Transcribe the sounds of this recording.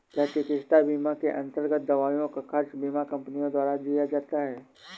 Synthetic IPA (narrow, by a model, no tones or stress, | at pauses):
t̪ɐɦt̪ekɪʃt̪abiːmakeʔɐ̃nt̪əɾɡət̪̚d̪ɐʋaːjõkaxɐɾʃbiːmakɐ̃mpnijõd̪waːɾad͡ʒ̪ijad͡ʒaːt̪aɦɛː